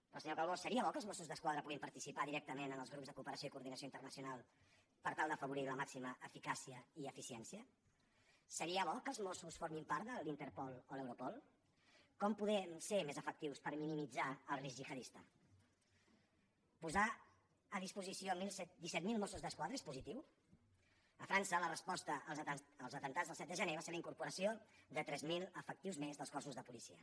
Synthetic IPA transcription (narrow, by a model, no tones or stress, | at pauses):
əlˠsəɲokalβɔsːəɾiəβɔkəlˠzmɔsuzðəskwaðɾəpuɣimpəɾt̪isipaðiɾɛk̚t̪əmenənəlˠzɣɾupzðəkuːpəɾəsjoikuɾðinəsjoint̪ərnəsjunalˠ | pəɾt̪alˠd̪əfəβ̞uɾiləmaksiməʔəfikasiəiəfisiɛnsiə | səɾiəβɔkəlˠzmɔsusfoɾmimpaɾt̪ðəlint̪əɾpɔlˠolɛwɾupɔlˠ | kɔmpuðɛmseɾmezəfək̚t̪iwspəɾminimid͡zaəlˠrizixəðist̪ə̰ | puza | əðispuzisiomilsd̪isɛt̪milˠmɔsuzðəskwaðɾəespuzit̪iw | əfɾansələrəspɔst̪əələlˠzət̪ənt̪ad͡zzðəlˠsɛt̪̚d̪əʒəneβaseɾləiŋkuɾpuɾəsiod̪ət̪ɾɛzmilˠəfək̚t̪iwzmezðəlˠskɔsuzðəpulisḭə̰